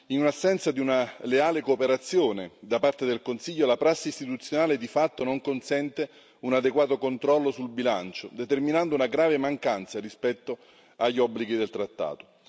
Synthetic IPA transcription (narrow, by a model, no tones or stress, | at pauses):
inunasːɛnt̪sad̪iunaleaːlekoːpeɾat̪sːjoːned̪apart̪ed̪elkonsiʎːolapɾasːist̪it̪ut̪sːjonaːled̪ifat̪ːonoŋkonsɛnt̪e | unad̪eɡwaːt̪okont̪ɾɔlːosulbilant͡ʃod̪et̪erminand̪ounaɡɾaːvemaŋkant̪sarispɛt̪ːo | aʎːɔbːliɡid̪elt̪ɾat̪ːa̰ːt̪o̥